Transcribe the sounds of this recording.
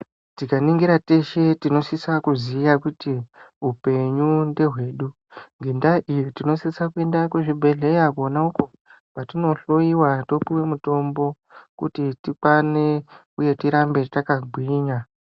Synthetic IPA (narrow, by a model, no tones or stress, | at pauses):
tikaniŋɡiɾate̞ʃe̞tino̞sisakuzijakutiɦupe̞ɲunde̞ɦwe̞ːɗu | ŋɡendaʔijitino̞sisakue̞ndakweʐibʱe̞ɮe̞jakuonauko̞ | patino̞ɬo̞iwato̞piwe̞muto̞mbo̞ | kṵtitikwane̞ | uje̞tiɾambe̞takaɡʱwiɲa